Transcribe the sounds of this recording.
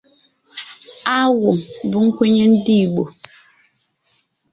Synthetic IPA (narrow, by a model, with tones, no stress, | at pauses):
a˦wo˨mbu˦ŋ̩˦kwe˦ɲe˦n̩˦di˦˨ɓo˨